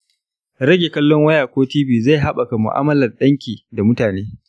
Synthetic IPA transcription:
ɾɐ˦ɡʲe˨kɐ˦lːɔ˦ŋwɐ˦jaː˨kʷoː˦tiː˦biː˨za˦˨jɦa˦ɓa˨ka˨mʊ̰˨ʔa̰ː˦mɐ˦lɐ˨rɗɐ˦ŋkʲiː˨da˨mʊ˦taː˨neː˦

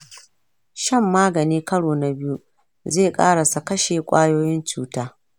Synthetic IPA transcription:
ʃɐ˦˨mːaː˦ɡɐ˨niː˦kɐ˦ɽoː˨na˨bɪ˦ju˦ | zeː˦˨kʼa̰ː˦ɽa˨sa˨kɐ˦ʃeː˨kʷʼaː˦joː˦jɪ˦nt͡ʃuː˦taː˦

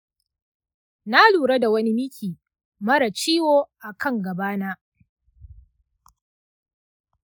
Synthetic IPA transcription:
na˦luː˨ɾa˦da˨wɐ˦ni˦mɪ˦kʲʰiː˨ | mɐ˦ɽa˨t͡ʃiː˦woː˦ʔa˨kʰɐ˦˨ŋɡɐ˨baː˦naː˦

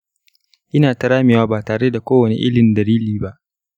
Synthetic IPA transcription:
ʔɪ˦naː˨tɐ˦ɾaː˦mɪ˨waː˦baː˨taː˨ɽe˦da˨kʷoː˦wɐ˨nḛ˨ʔɪ˦lɪ˨ndɐ˨liː˦liː˦ba˦ʔ

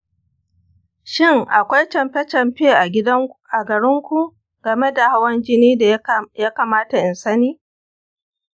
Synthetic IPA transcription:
ʃɪ˦ŋʔa˨kʷa˦jt͡ʃɐ˨mɸɛ˦t͡ʃɐ˨mɸeː˦ʔa˨ɪ˦dɐ˦ʔa˨ɡɐ˨ɾɪ˦ŋkʷu˨ | ɡ̥ɐ˨me˦da˨ha˦wɐ˦nd͡ʒɪ˦niː˦djaː˦kaː˨maː˦ta˨ʔɪ˨nsɐ˦niː˦

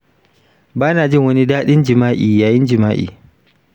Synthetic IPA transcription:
baː˦naː˨d͡ʒɪ˦ŋwɐ˦ni˦daː˦ɗɪ˦nd͡ʒɪ˨maː˦ʔiː˨jaː˦jɪ˦nd͡ʒɪ˨maː˦ʔḭː˨

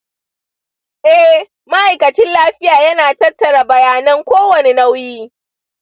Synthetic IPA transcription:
ʔɛ˦h | ma˦ʔa˨jkɐ˨t͡ʃɪ˦nlaː˦ɸɪ˦jaː˨jɐ˦naː˨tɐ˦tːɐ˨ɽa˨bɐ˨jaː˨nɐ˦ŋkʷoː˦wɐ˨ne˦na˦wjiː˦

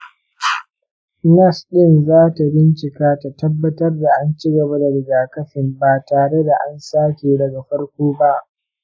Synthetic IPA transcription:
nɐ˦˨sɗɪ˦nzaː˦ta˨bɪ˦nt͡ʃɪ˨kaː˦ta˨tɐ˦bːɐ˦tɐ˦rda˨ʔa˦nt͡ʃɪ˦ɡɐ˨ba˦da˨ɽɪ˨ɡaː˨kɐ˦ɸɪ˨mbaː˨taː˨ɽe˦da˨ʔa˦nsaː˦kʲeː˨dɐ˨ɡa˨ɸɐ˦ɽkʷoː˦ba˦ʔ

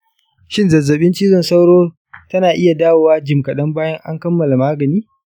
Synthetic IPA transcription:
ʃɪ˦nzɐ˨zːɐ˨ɓɪ˦nt͡ʃiː˦zɔ˨nsa˦wɽoː˦ | tɐ˦naː˨ʔɪ˦ja˨daː˦woː˨waː˦d͡ʒɪ˨mkɐ˨ɗɐ˦mbaː˦jɐ˦ŋʔa˦ŋkɐ˦mːɐ˨la˨maː˦ɡɐ˨niː˦

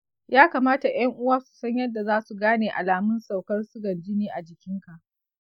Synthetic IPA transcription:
jaː˦kaː˨maː˦ta˨j̰ɐ˦ŋʔʊ˦waː˦su̥˨sɐ˦ɲjɐ˦dːa˨zaː˦su˨ɡaː˦neː˨ʔa̰˨laː˨mʊ˦nsa˨wkɐ˦rsʊ˦ɡɐ˨nd͡ʒɪ˦niː˦ʔa˨d͡ʒɪ˨kʲɪ˦ŋka˨ʔ

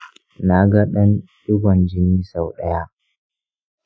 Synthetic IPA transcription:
na˨ɡa˦ɗɐ˦nɗʊ˦ɡʷɔ˨nd͡ʒɪ˦niː˦sa˨wɗɐ˦ja˦ʔ

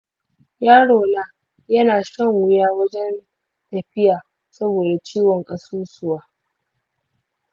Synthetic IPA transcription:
jaː˦ɽoː˨na˦ | jɐ˦naː˨ʃɐ˦˨ŋwʊ˦jaː˦wɐ˦d͡ʒɛ˦n | tɐ˨ɸɪ˦jaː˨ | sɐ˦boː˨da˨t͡ʃiː˦wɔ˨ŋkʼɐ˨suː˦sʊ˦waː˦

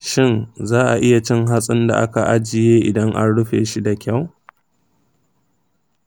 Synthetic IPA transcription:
ʃɪ˦nzaː˦ʔa˨ʔɪ˦ja˨t͡ʃɪ˦ŋɦa˦sʼɪ˦nda̰˨ʔa˦ka˨ʔa˦d͡ʒɪ˨jeː˦ʔɪ˨dɐ˦ŋʔa̰˦nɽʊ˦ɸeː˨ʃi˦da˨kʲa˦˨w

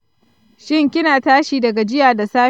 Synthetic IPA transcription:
ʃɪ˦˨ŋkʲɪ˦naː˨taː˦ʃiː˨dɐ˨ɡa˨d͡ʒɪ˦jaː˨da˨saː˦

